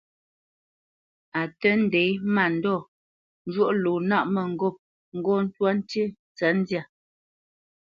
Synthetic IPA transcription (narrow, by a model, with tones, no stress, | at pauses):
a˨tə˦n̩˦dɛ˨˦jma˦˨n̩˦dɔ˦˨ | n˦d͡ʒwo˦ʔlo˨na˦˨ʔmə˨ŋ̩˦˨ɡɔ˦˨p̚ | ŋ̩˦ɡɔ˦n̩˦twa˦n̩˦te˦ | t͡sa˨˦n̩˦dja˦˨